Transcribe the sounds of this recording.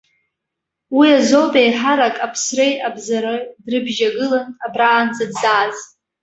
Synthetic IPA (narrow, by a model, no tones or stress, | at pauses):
wiazowbajħaɾakʼapʰsrejabzaɾadrɨbʒaɡɨlanabraːnd͡zadzaːz